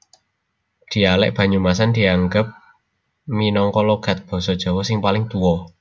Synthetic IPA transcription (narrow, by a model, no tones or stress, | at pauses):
d̪̥i̤alɛ̰ʔb̥ä̤ɲumas̬and̪̥i̤aŋɡəp̚ | minɔŋkɔlɔɡ̥a̤t̪̚b̥ɔ̤sɔd̥ʒ̥ɔ̤wɔsɪŋpalɪŋt̪uwɔ